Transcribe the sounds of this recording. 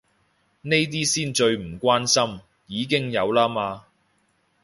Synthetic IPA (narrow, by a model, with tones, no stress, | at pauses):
ne˥jt̪̬iː˥siː˥nt͡ʃɵ˧ɥm̩˨˩kʷwaː˥nsɐ˥m | jiː˨˧k̬ɪ˥ŋjɐ˨˧wlaː˥maː˧